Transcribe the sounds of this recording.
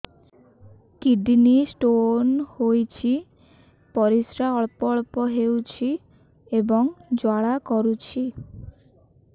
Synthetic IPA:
kiɖnisʈonhojt͡ʃʰi | pɔɾisɾaɔɭpɔɭpɔɦewt͡ʃʰi | ebɔŋd͡ʒwaɭakɔɾut͡ʃʰi

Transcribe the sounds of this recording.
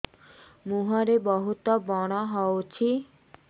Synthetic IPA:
muɦɔɾebɔɦut̪ɔbɔɽ̃ɔɦɔot͡ʃʰi

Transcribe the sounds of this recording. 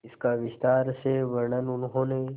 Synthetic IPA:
ɪskaʋɪst̪aːɾseʋəɾɳənʊnɦõːne

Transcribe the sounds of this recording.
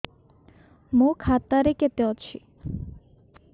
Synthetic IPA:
mũkʰat̪aɾeket̪eot͡ɕʰḭ

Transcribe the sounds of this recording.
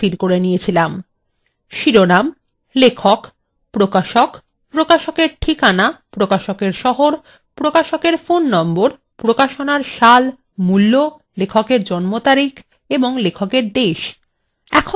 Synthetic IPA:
iɾkoɾenijet͡ɕʰilam | ʃiɾonam | lekʰok | pɾokaʃok | pɾokaʃokeɾʈʰikanapɾokaʃokeɾʃɔɦoɾ | pɾokaʃokeɾfonːɔmboɾ | pɾokaʃonaɾʃal | mulːo | lekʰokeɾd͡ʑɔnmot̪aɾik | eboŋlekʰokeɾd̪eʃ | ɛ̰kʰo

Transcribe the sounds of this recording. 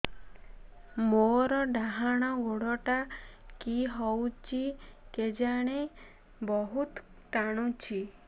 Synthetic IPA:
moɾɔɖaɦaɽ̃ɔɡoɽɔʈakiɦɔwt͡ʃʰiked͡ʒaɽ̃e | bɔɦut̪ | t̪aɽ̃ut͡ʃʰi

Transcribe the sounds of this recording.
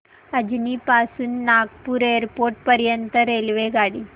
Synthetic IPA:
əd͡ʑnipasuːnːaɡpuːɾeəɾpoɾʈ̚pəɾjənt̪əɾelʋeɡaɽiː

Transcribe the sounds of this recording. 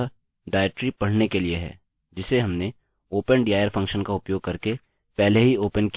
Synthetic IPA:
ɖaːɪʈɾipɐɽ̤nekelieɦɛ̰ː | d͡ʒɪseɦɐmne | oːpənɖiːaːjəɾfʰɐ̃ŋkʃənkaʊpjoːɡ̚kɐɾke | pɛɦleɦioːpənk

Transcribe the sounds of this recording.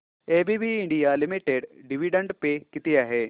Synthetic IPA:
eːbibiɪ̃ɳɖijalɪmiʈeɖɖɪʋiɖə̃ɳɖpekɪt̪ijaɦeː

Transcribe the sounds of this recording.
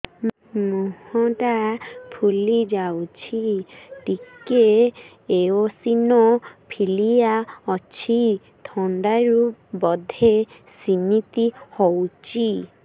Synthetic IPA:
muhɔʈapʰulid͡ʒawt͡ʃʰiʈike | eosinɔpʰilijaɔt͡ʃʰi | t̪ʰɔɳɖaɾubɔd̪ʱe | sinit̪ihowt͡ʃʰi

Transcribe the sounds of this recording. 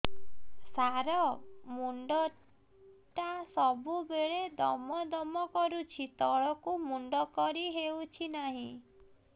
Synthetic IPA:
saɾɔmuɳɖɔ | ʈasɔbubeɭed̪ɔmɔd̪ɔmɔkɔɾut͡ʃʰit̪ɔɭɔkumuɳɖɔkɔɾiɦewt͡ʃʰinaɦĩ

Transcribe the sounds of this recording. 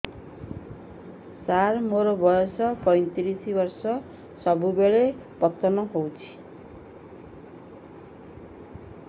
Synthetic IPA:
sarmoɾobʌjosʌpʌjnt̪iɾisibʌrsʌ | sʌbubeɭe | pʌt̪ːʌnʌɦowt͡sʰi̥

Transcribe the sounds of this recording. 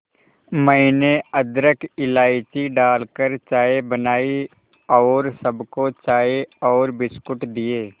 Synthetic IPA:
məɪneəd̪ɾəkɪlaːɪt͡ʃiɖaːlkəɾt͡ʃaːebənaːi | ɔːɾsəbkot͡ʃaːeɔːɾbɪskʊʈd̪ijeː

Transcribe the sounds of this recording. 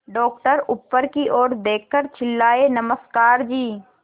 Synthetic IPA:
ɖɔːk̚ʈəɾʊpːəɾkiʔoːɾd̪eːkʰːəɾt͡ʃʰɪlːaːenɐməskaːɾd͡ʒiː

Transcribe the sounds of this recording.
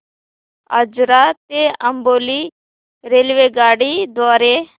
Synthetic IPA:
ə̰d͡ʒɾat̪eəmboːli | ɾeːlʋeɡaːɽid̪waːɾe

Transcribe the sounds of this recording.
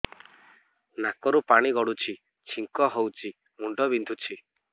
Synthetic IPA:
nakɔɾupaɽ̃iɡɔɽut͡ʃʰi | t͡ʃʰiŋkɔɦowt͡ʃʰi | muɳɖɔbind̪ʱut͡ʃʰi

